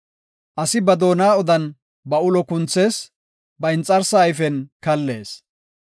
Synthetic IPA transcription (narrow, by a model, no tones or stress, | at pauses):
ʔɐsɪbɐd̪o̞ːnaːɔd̪ɐn | bɐʊlɔkʊnt͡sːe̞ːs | bɐɪnt͡sʼːɐɾsaːjfɛnkɐlːe̞ːs